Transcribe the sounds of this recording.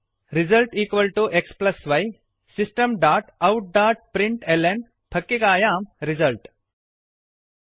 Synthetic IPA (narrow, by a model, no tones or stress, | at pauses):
ɾizɐlʈiːkʋɐlʈuʔeksplɐsʋɐj | sisʈɐmɖaːɾʈɐwʈ̚ɖaːɾʈ̚pɾiɳʈelem | pʰɐkːikaːjaːmɾizɐlʈ